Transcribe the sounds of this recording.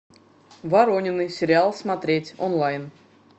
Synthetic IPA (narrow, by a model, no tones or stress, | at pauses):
vaɾonʲɪnːɨjsʲɪɾʲɪalˠsmat̪ɾʲetʲo̰nlˠajn